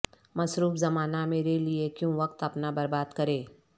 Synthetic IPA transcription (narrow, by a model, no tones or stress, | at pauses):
mɐsɾuːfzɐmaːnameːɾeliekjõʋɐk̚t̪ɐpnabɐɾbaːd̪kɐɾeː